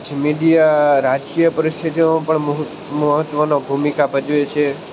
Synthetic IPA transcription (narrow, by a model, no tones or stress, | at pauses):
d͡ʒmiɖijaɾad͡ʒkijəpəɾɪst̪ʰit̪õpəɳmɦ | məɦət̪ʋənobʱumikabəd͡ʒʋet͡ʃʰe